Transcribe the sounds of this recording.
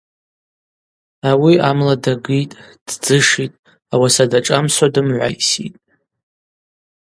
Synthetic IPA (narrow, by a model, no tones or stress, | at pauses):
awiamladaɡɨjtʼd̥d͡zɨʂitʼ | awasadaʈ͡ʂʼamsadɨmʕʷa̰jsḭtʼ